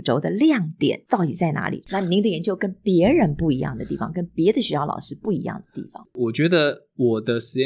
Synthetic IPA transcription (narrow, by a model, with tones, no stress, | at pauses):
ʈ͡ʂo˧˥ʊd̪ə˧ljɑ˥˩ŋt̪jɛ̰˨˩˦nt̪ɑ˥˩ʊt̪i˨˩t͡sa˥˩ɪna̰˧˥lḭ˨˩na˥˩ni˧˥ŋd̪ə˨jɛ˧nt͡ɕjo˥˧ʊkə˥npjɛ˧˥ɻə˧˦npu˥˩i˧˥jɑ̰˥˩ŋd̪ə˩t̪i˥˩fɑ̰˨˥ŋkə˥npjɛ˧˥d̪ə˨ɕy˧˥jɑ˥˩ʊlɑ̰˨˩ʊʂɻ̩˥˧pu˥˩i˧˥jɑ̰˥˩ŋd̪ə˩t̪ḭ˥˩fɑ̰˩˦ŋwɔ˨˩t͡ɕɥɛ˧˥d̪ə˧ | wɔ˨˩d̪ə˦ʂɻ̩˧˥ɛ˧